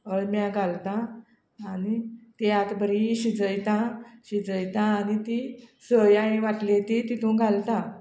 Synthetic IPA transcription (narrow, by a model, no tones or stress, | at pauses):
əɭmjãɡʱalt̪ãː | nit̪jat̪bəɾiɕid͡zəjt̪ãɕid͡zəjt̪ãːnit̪isəjaĩʋaʈlet̪it̪it̪ʰũɡʱalt̪ã